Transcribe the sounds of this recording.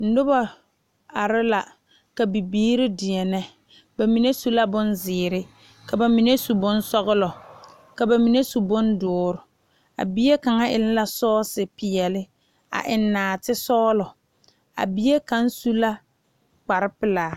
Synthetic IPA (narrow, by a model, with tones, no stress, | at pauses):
n̩˦dʊ˦ba˨ | a˨ɾɪ˦la˨ | ka˨bi˨biː˦ɾɪ˦dɪ˨ɛ˨nɛ˦ | ba˨mi˨ne˦su˦la˦bʊ˦nzɪː˨ɾɪ˦ | ka˨ba˨mi˨ne˦su˨bʊ˦n˦sɔ˦ɣʊ˦lɔ˨ | ka˨ba˨mi˨ne˦su˨bʊ˦ndʊː˨˦ɾʊ˨ | a̰˨bi˦je˦ka˨ŋa˦ʔɪ̰˨lla˦sɔː˦sɪ˨pɪ˨jɛ˨lɪ˦ | a̰˨ʔɪ˨nːaː˨tɪ˦sɔː˦lɔ˨ | a̰˨bi˦e˦ka˦n˦su˦la˦ | k͡pa˨ɾɪ˦pɪ˦laː˨